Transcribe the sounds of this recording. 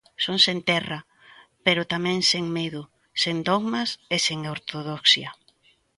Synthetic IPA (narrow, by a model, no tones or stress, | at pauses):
soŋsẽnt̪ɛrɐ | peɾʊt̪amɛ̃ŋseŋmeðʊ | send̪oɣmaseseŋoɾt̪oðoksjɐ